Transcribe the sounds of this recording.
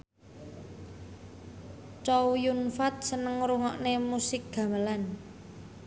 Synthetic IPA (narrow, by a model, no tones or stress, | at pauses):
t͡ʃɔwjunfat̪̚sənəŋɾuŋɔʔnemusɪk̚ɡ̥a̤məlan